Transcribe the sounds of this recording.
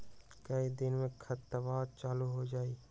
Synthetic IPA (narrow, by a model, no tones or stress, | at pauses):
kəid̪ɪnmẽkʰɐt̪ːəbaːɾ̚t͡ʃaːluɦod͡ʒaːiː